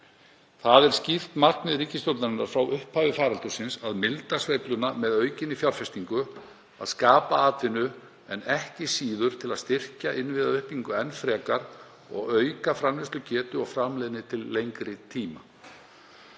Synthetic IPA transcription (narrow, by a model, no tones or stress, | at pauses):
θaðɛɾ̥scɪft̪marknɪðɾiːcɪst̪owt̪naɾɪnːaɾ̥fɾawʔʏhphaːvɪfaːɾalt̪ʏsɪnsaðmɪlt̪asveːjplʏnamɛðœːɥcɪnifjawɾ̥fɛst̪iŋkʏ | a̰ðskaːpaaːt̪ɪnʏ | ɛnɛhcɪsiːðʏɾ̥t̪ʰɪlaðst̪ɪr̥caʔɪnvɪðaʏhpiŋkʏɛnfɾɛːkaɾ̥ | ɔ̰ɣœːɥkafɾanvɪst̪lʏcʰɛːt̪ʏɔɣfɾamlejðnɪt̪ʰɪlːejŋkɾɪt̪ʰiːma